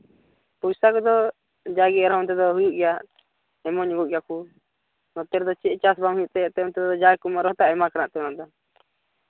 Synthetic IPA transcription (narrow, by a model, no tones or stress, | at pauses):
pujsakɔd̪ɔ | d͡ʒaɡɛɾɦɔnt̪ɛd̪ɔɦujuʔɡɛjaʔ | ɛmɔɲɡuʔ̚ɡɛjaku | nɔt̪ɛɾd̪ɔt͡ʃɛt͡ʃasbamɦujuʔt̪ɛɔʔt̪ɛɔnt̪ɛd̪ɔd̪ɔd͡ʒajkumaɾɔht̪aʔɛmakanaʔt̪ɛnaʔd̪ɔ